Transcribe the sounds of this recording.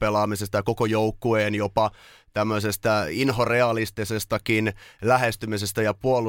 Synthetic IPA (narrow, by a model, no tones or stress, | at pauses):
pelɑːmisest̪ɑjɑkokojoukːueːnjopɑ | t̪æmːøsest̪æinɦo̞reɑlist̪isest̪ɑkinlæɦest̪ymisest̪æjɑpuolu